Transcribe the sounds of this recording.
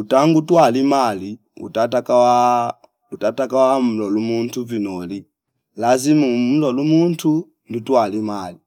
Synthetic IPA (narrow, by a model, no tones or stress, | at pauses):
utaŋɡutwalimali | ṵtatakawa | utatakawam̩lɔlumuntuvinɔli | lazimum̩lɔlumuntʰu | ndutwalimali